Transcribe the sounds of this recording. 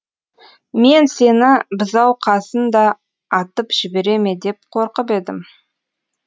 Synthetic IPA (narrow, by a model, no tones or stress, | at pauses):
me̞nse̞nɪbɪzɑwqʰɑsənd̪ɑː | t̪əpʒ̥ɪbe̞ɾe̞me̞d̪e̞p̚qʰo̞ɾqəp̬e̞d̪ɪm